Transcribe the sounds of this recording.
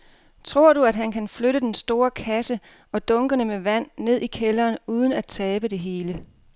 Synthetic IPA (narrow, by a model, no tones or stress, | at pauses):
t͡sʰʁo̝ɐ̰ɾ̥uæd̥ɦænkʰænfløɾəd̥ensd̥o̝ːɐkʰæsə | ʔɒ̽d̥ɔ̽ŋɡ̥ənəmeʋæn̰ːe̝ð̞̰ˠikʰelɐːnuːð̞ˠən̩æd̥̚t͡sʰɛːb̥əd̥e̝ɦe̝ːlə